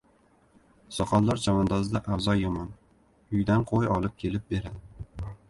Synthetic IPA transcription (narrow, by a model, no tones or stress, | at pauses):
sɒqʰɒlˠlaɾd͡ʒʰamɒnd̪ɒzɪd̪aʔawzɒjːɒmɒn | ʊjd̪anqʰojɒlˠɪp̚kʲʰe̞lɪp̚be̞ɾad̪ɪ